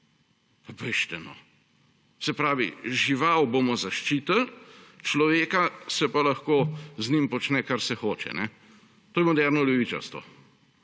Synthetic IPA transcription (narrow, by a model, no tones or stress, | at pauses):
apɛʃt̪ɛnɔ̰ | sɛpɾaːʋḭʒiʋawbomɔzaʃt͡ʃiːt̪əlt͡ʃlɔʋeːkasɛpalɐxkoːznimpɔt͡ʃnɛkaɾsɛxoːt͡ʃɛ̰nɛ | t̪oːjɛmɔd̪ɛɾnɔljɛʋiːt͡ʃa̰ɾst̪ʋɔ̰